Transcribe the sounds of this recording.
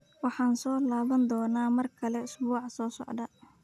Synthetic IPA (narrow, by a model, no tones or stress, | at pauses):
wɑħɑːnsɔːlaːβɐnd̪ɔːnaːmɐrkʰɐlɛʊsbuːʕɑsɔːsɔ̰ʕd̪ɐ